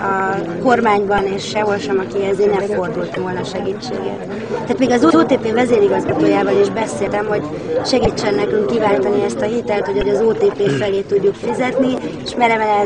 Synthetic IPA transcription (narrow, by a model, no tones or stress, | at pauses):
ɒ | ko̞rmaːɲbɒneːʃːɛɦolʃɛmɒkiɛzeːnɛɱfo̞rd̪ult̪volnɒʃɛɡit͡ʃːḛːɡɛ̰t̪ː | aːt̪miːɡɒzooːt̪eːpeːvɛzeːɾiɡɒzɡɒt̪oːjaːvɒliʒbɛseːlt̪ɛmho̞ɟ | ʃɛɡit͡ʃːɛnːɛkyŋkːivaːlt̪ɒniɛst̪ɒɦit̪ɛlt̪ho̞ɟɒɟɒzoːt̪eːpeːfɛleːt̪uɟːukfizɛt̪nieʃmɛɾɛvɛlɛ